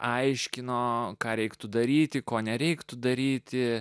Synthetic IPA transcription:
ʔɐɪʃʲkʲɪnoːkɑːɾʲɛɪkt̪ʊd̪ɐɾʲiːt̪ʲɪkoːnʲɛɾʲɛɪkt̪ʊd̪ɐɾʲiːt̪ʲɪ

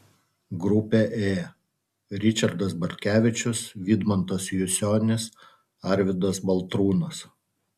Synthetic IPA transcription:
ɡɾʊpʲeʔeː | ɾʲɪt͡ʃʲɐɾd̪ɐsbɐɾʲt̪ʲkʲæːʋʲɪt͡ʃʲʊsʋʲiːd̪mɔnt̪ɐsjʊsʲoːnʲɪs | ɐˑɾʲʋʲɪd̪ɐsbɐlˠˑt̪ɾuːnɐs

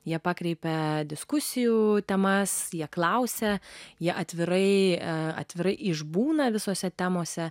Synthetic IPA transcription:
jiɛpɑːkɾʲɛɪpʲɛd̪ʲɪskʊsʲɪjut̪ʲɛmɐsjiɛklˠɐʊsʲɛjiɛʔɐt̪ʲʋʲɪɾɐɪɐ̰t̪ʲʋʲɪɾɐɪʔɪʒbuːnɐʋʲɪsoːsʲɛt̪ʲæmoːsʲɛ

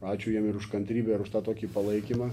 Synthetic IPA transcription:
ɑːt͡ʃʲʊːjiɛmɪɾʊʃkɐnʲt̪ʲɾʲiːbʲɛɪɾʊʃt̪ɑːt̪oːkʲiːpɐlˠɐɪkʲiːmɑː

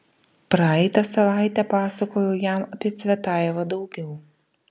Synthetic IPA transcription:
pɾɑɛɪt̪ɐsɐʋɑˑɪt̪ʲɛpɑːsɐkoːjojæmɐpʲiɛt̪sʲʋʲɛt̪ɑːˑjʋɐd̪ɒʊɡʲɛʊ

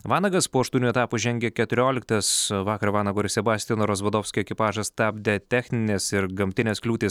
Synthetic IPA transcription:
ʋɑːnɐɡɐspoːɐʃt̪uːnʲuɛt̪ɑːpuʒʲɛŋʲɡʲɛkʲɛt̪ʊɾʲoːlʲɪkt̪ɐsʋɑːkɐɾʋɑːnɐɡoːɾʲɪsʲɛbɑːsʲt̪ʲiɛnoːɾoːzʋɐd̪oːʊsʲkʲoɛkʲɪpɑːʒɐst̪ɑbʲd̪ʲɛt̪ʲæːxʲnʲɪnʲeːsɪɾɡɐmʲt̪ʲɪnʲeːsklʲuːt̪ʲɪːs

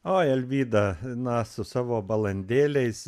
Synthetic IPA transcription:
oːɛlʲʋʲiːd̪ɐnɐsʊsɑːʋoːbɐlˠɐnʲd̪ʲeːlʲɛɪs

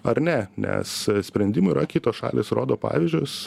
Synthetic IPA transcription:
ɐɾnʲɛnʲɛ̰ssʲpʲɾʲɛnʲd̪ʲɪmʊiːɾɐkʲiːt̪oːsʃɑ̰ːlʲeːsɾoːd̪oːpɑ̰ːʋʲɪzʲd͡ʒʲʊs

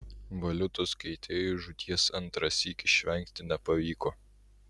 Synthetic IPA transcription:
ʋɐlʲʊt̪oskɛɪt̪ʲeːjuʒʊt̪ʲiɛsɐnˑt̪ɾɐsʲiːkʲɪʃʲʋʲɛŋʲkt̪ʲɪnʲɛpɐʋʲiːkoː

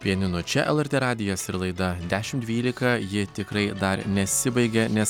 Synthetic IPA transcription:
pʲiɛnʲɪnʊt͡ʃʲɛʔɛlˠɛɾʲt̪ʲeːɾɑːd̪ʲɪjoːsɪɾlˠɐɪd̪ɐd̪ʲæːʃʲɪmd̪ʲʋʲiːlʲɪkɐjɪt̪ʲɪkɾɐɪd̪ɐɾnʲɛsʲɪbɐɪɡʲɛnʲɛs

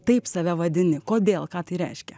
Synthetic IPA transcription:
t̪ɐɪpsɐʋʲɛʋɐd̪ʲɪnʲɪkoːd̪ʲeːlˠkɑːt̪ɐɪɾʲɛɪʃʲkʲɛ

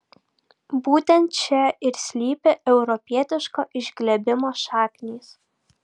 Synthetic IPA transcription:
buːt̪ʲɛnt̪t͡ʃʲɛɪɾsʲlʲiːpʲɛʔɛʊɾɔpʲiɛt̪ʲɪʃkoːʔɪʒʲɡlʲɛbʲɪmoːʃɑːkʲnʲiːs

